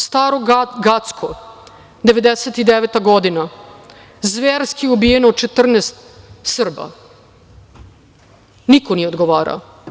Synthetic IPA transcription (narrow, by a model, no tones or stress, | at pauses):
st̪aːɾoɡat̪skʰo | d̪eʋed̪eset̪id̪eʋet̪aɡod̪ina | zʋeɾskiubijenoːt͡ʃet̪r̩nest̪sr̩ba̰ | nikoniod̪ɡoʋaːɾa̰